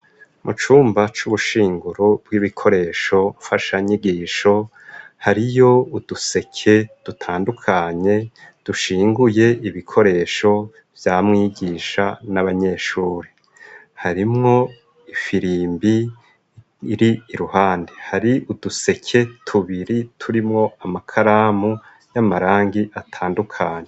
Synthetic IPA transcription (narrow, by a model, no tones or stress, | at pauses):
mʔut͡ʃuːmbat͡ʃuβuʃiːŋɡuɾob̚ɡiβikʰo̞ɾe̞ːʃo̞faʃaɲiɡiːʃo̞ | haɾijo̞ud̥use̞kʰe̞d̥utʰaːndukʰaɲe̞d̥uʃiːŋɡuje̞ʔiβikʰo̞ɾe̞ːʃo̞ | v̥jamŋiːɡiʃa̰naβaɲe̞ːʃuːɾe | haɾimŋo̞ | ifiɾiːmbi | ɾiːɾuhaːndehaɾiʔud̥use̞kʰe̞tʰuβiɾitʰuɾimŋo̞amakʰaɾaːmu | jamaɾaːŋɡiʔatʰaːndukʰaːɲe